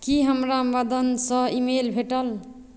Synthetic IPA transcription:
kiɦəmɾamad̪ənsʌ̃imelbʱeʈəl

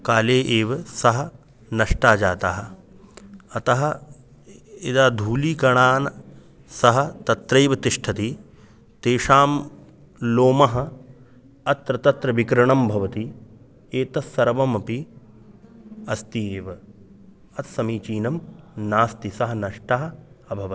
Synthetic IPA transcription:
kaːleːʔeːʋɐsɐɦɐ̆ | nɐʂʈaːd͡ʒaːt̪aːɦɐ̆ | ɐt̪ɐɦɐ̆ | ed̪aːd̪ʱuːliːkɐɳaːnɐ | sɐɦɐ̆t̪ɐt̪ɾeːʋɐt̪iʂʈʰɐt̪i | t̪eːʃaːm | loːmɐɦɐ̆ | ɐt̪ɾɐt̪ɐt̪ɾɐʋikɾɐɳɐmbʱɐʋɐt̪i | eːt̪ɐsːɐɾɐʋɐmɐpi | ɐst̪ieːʋɐ | ɐt̪sɐmiːt͡ʃiːnɐmnaːst̪isɐɦɐnɐʂʈɐːɦɐ̆ɐbʱɐʋɐ

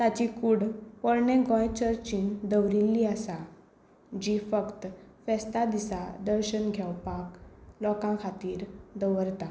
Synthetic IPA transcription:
t̪at͡ɕikuɽpɔɾɳeɡɔ̃jt͡ɕəɾt͡ɕind̪əwɾilːiasa | d͡ʑifəkt̪fɛst̪ad̪isad̪əɾɕənɡʱɛwpaklɔkãkʰat̪iːɾd̪əʋəɾt̪a

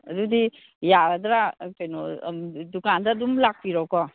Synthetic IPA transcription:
dudi | jaɾd̪ɾakenɔdukandadumlak̚piɾɔwkɔ

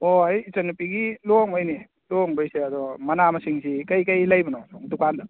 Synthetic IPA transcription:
ɔajːsɐnupiɡilɔŋɔjni | lɔŋbəjsead̪ɔmanamasiŋsikajkajlajbɔnasɔŋdukan

